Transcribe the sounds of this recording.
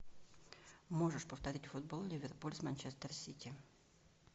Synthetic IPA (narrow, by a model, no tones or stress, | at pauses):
mo̞ʐəʂpəft̪ɐɾʲitʲfʊd̪̚bolˠlʲɪvʲɪrpulʲsmanʲt͡ɕest̪ərsʲitʲɪ